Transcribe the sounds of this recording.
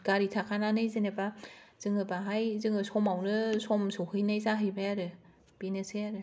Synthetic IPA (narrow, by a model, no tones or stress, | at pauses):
ɡ̥aɾitʰakʰananɯjzɯnebaz̥ɯŋɯbaɦajzɯŋɯsɔmawnɯsɔmsohɯjnajzaɦɯjbajaɾɯ | b̥inɯsɯjaɾɯ